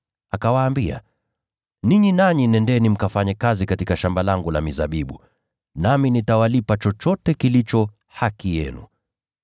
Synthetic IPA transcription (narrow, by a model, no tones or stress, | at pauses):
akawaːmbia̰ | niɲinaɲinɛndɛnim̩kafaɲɛkazikatikaʃambalaŋɡula̰mizaɓiɓu | naminitawalipat͡ʃɔt͡ʃɔtɛkilit͡ʃɔ | hakijɛ̰nṵ